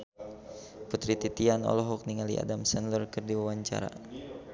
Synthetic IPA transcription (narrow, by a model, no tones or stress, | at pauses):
put̪ɾit̪it̪ianɔ̰lɔɦɔk̚niŋaliʔa̰damsɛnlərkɨrdiwawaɲt͡ʃa̰ɾa̰